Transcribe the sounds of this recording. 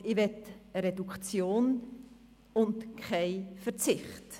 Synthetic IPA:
ɪvɛtəɾɛdukt͡sjoːn | ʊntkʰχaɪfəɾt͡sɪχt

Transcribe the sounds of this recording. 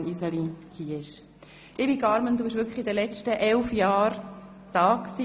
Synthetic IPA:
nisəlikʰiːɪʃ | ʔɪbiɡɑɾmənd̥̪uːbɪʃʋʏɾkʰə̥χid̪əlɛt͡ʃtəʔɛlfjɑːɾ | d̥ɑːksi

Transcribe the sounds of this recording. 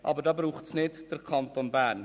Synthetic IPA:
ʔɑ̰bəɾdɑːbɾuːχtsnɪdd̥əɾkʰɑnt̪onbæːɾn

